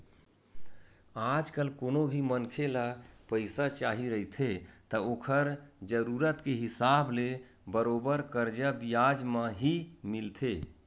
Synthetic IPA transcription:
ad͡ʒkəlkonobʱimənkʰelapəɪsat͡ʃaɦiɾəɦit̪ʰet̪əokʰəɾd͡ʒəɾuɾət̪keɦisable | bəɾobəɾkəɾd͡ʒəbijad͡ʒmə̃ɦimilt̪ʰe

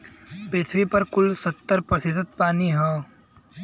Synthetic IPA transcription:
pɾɪt̪ʰʋipɐɾkʊlsɐt̪ːəɾpɾɐsɪzət̪̚paːniɦɛː

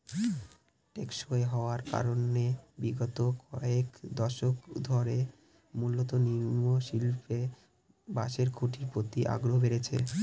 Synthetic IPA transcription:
ʈekʃoeɦɔoaɾka̰ɾonebiɡɔt̪okɔekd̪ɔʃokd̪ʱɔɾe | mulːot̪oniɾmmoʃilpe | baʃeɾɡʰʱoʈʰiɾpɾot̪iʔa̰ɡɾobeɾet͡ɕʰḛ

